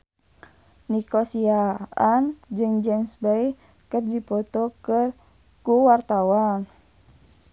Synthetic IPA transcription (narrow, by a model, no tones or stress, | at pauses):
nikɔsiaand͡ʒɨŋd͡ʒɛnsbaih | kərdipɔt̪ɔkər | kuwart̪awan